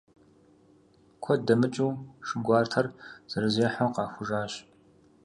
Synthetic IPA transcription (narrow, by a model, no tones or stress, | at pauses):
kʷʰɔdɐmɨt͡ʃʼuːʂɨɡʷɑːrtʰɐrz̥ɐɾɨzeːħoqɑːxʷʊʒaːɕ